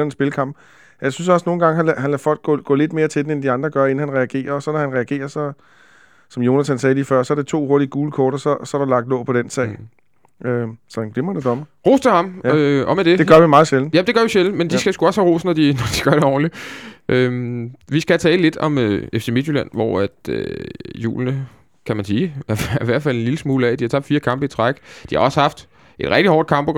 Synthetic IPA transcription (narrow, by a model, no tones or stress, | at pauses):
æn̩sb̥e̝ləkʰɑ̈m̰b̥ | jɑ̈ɪsynsɒ̽sno̝ːn̩ɡ̥ɑ̈ŋɦææhænlæfɒ̽l̰ɡ̥̚ɡɔ̰ɡ̥ɔ̰̽ːle̝d̥̚me̝ːɐt͡sʰe̝d̥en̩end̥iɑ̈nd̥ʁɐɡ̥ɶɐe̝n̩hænʁɛæɡ̥e̝̰ːɐɒ̽sɒ̽nɒhænʁɛæɡ̥e̝̰ːɐsɒ̽ | sɒ̽mjo̝næt͡sʰænsɛːlifɶɐ̰sɒ̽æɐd̥e̝t͡sʰo̝̰ːho̝ɐd̥iəɡ̥uːləkʰɒːɾ̥ɐsɒ̽sɒ̽æɐɾ̥ɑ̈lɑ̈ɡ̥̚d̥lɔ̰ːpʰɒ̽d̥en̰sɛ̰ːɪ | øsɒ̽hænɡ̥lemɐd̥ed̥ɒ̽mɐʁo̝̰ːst͡sʰehɑ̈møɒ̽med̥e̝de̝ɡ̥ɶɐʋimɑ̈ːð̩ˠɕeln̩jæd̥eɡ̥ɶɐʋiɕel̩mend̥isɡ̥æsɡ̥uɒ̽shæʁo̝̰ːsnɒd̥inɒd̥iɡ̥ɶɐɾ̥eɒ̰ːnliʔømʋisɡ̥æt͡sʰɛ̰ːləle̝d̥ɒ̽møefse̝med̥jylæn̰ʋɒ̰æd̥ø̰jṵːlnə | kʰæmænsiːæɐɐiʋæɐ̰d̥fæl̰e̝nliləsmuːləɛd̥ihɑt͡sʰɑ̈b̥d̥fiːɐkʰɑ̈mb̥əit͡sʰʁaɡ̥d̥ihɑ̈ɒ̽səhɑ̈fd̥ | ʔe̝d̥ʁɛɡ̥d̥ihɒ̰ːd̥̚kʰɑ̈mb̥o̥